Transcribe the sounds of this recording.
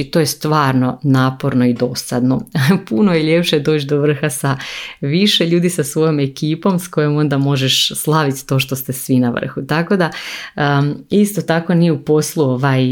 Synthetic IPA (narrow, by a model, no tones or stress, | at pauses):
t̪ojest̪ʋaːɾno̞naːpo̞ɾno̞id̪o̞sad̪no̞punojiʎe̞pʃed̪o̞ːt͡ʃd̪o̞ʋr̩xasaʋiʃeʎuːd̪isasʋo̞jome̞kiːpo̞msko̞jo̞mo̞nd̪amo̞ʒeʃslˠaʋit̪t̪o̞ːʃ̬t̪o̞st̪e̞sʋinaʋ̰r̩xut̪ako̞d̪a | ist̪o̞t̪ako̞nijeupo̞slˠuo̞ʋaj